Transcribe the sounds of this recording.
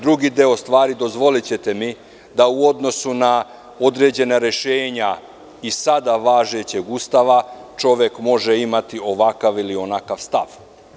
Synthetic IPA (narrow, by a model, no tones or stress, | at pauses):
d̪ɾuɡid̪e̞o̞st̪ʋaːɾid̪o̞zʋo̞lit͡ɕe̞t̪e̞mi | d̪auo̞d̪no̞suna | o̞d̪ɾe̞ːd͡ʑe̞naɾe̞ʃeːɲa | isad̪aʋaːʒet͡ɕe̞ɡuːst̪aʋat͡ʃo̞ʋjekmo̞ʒeimat̪io̞ʋakaʋilio̞nakaʋst̪aʋ